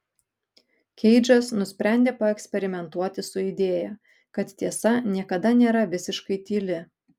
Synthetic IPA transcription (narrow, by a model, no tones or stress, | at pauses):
kʲɛɪd͡ʒʲɐsnʊsʲpʲɾʲæˑnʲd̪ʲeːpɐɛksʲpʲɛɾʲɪmʲɛnt̪uɔt̪ʲɪsʊɪd̪ʲeːjæ | kɐt̪t̪ʲiɛsɐnʲiɛkɐd̪ɐnʲeːɾɐʋʲɪsʲɪʃkɐɪt̪ʲiːlʲɪ